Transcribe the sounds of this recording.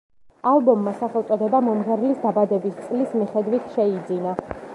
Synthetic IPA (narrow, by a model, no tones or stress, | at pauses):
alˠbɔmːasaχɛlˠt̪sʼɔd̪ɛbamɔmʁɛɾlisd̪abad̪ɛbist̪sʼlismiχɛd̪wit̪ʰʃɛid̪zina